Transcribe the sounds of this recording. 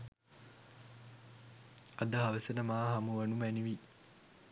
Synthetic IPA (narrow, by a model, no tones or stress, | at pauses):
ɐd̪ɐɦaʋəsənəmaːɦamuʋɐnumæniʋi